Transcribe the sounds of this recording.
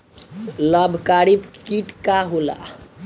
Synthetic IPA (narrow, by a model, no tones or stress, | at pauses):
ləbʱkaɾipkiʈkaɦola̰